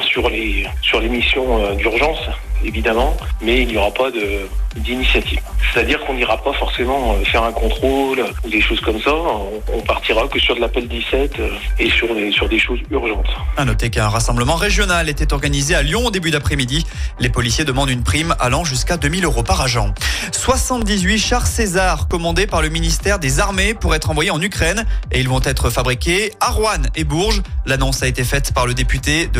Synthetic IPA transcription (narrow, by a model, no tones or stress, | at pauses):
syʁlesyʁlemisjɔ̃ød̪yʁʒɑ̃sevid̪amɑ̃mɛilnjɔʁapad̪əd̪inisjat̪ivsɛ̥t̪ad̪iʁkɔ̃niʁapafɔʁsemɑ̃øfɛʁɛ̃kɔ̃t̪χolud̪eʃozkɔmsaɔ̃ɔ̰̃paʁt̪iʁakəsyʁd̪əlapɛld̪isɛt̪øesyʁlesyʁd̪eʃozyʁʒɑ̃t̪anɔt̪ekɛ̃ʁasɑ̃bləmɑ̃ʁeʒjɔnalet̪ɛt̪ɔʁɡanizealjɔ̃d̪ebyd̪apχɛmid̪ilepɔlisjed̪əmɑ̃d̪ynpχima̰lɑ̃ʒyskad̪ømiløʁopaʁaʒɑ̃ | swasɑ̃t̪̚d̪izɥiʃaʁsezaʁkɔmɑ̃d̪epaʁləminist̪ɛʁd̪ezaʁmepuʁɛt̪χɑ̃vwajeɑ̃nykχɛneilvɔ̃t̪ɛt̪χəfabʁikʲeaʁwanebuʁʒlanɔ̃saet̪efɛt̪paʁləd̪epyt̪ed̪ə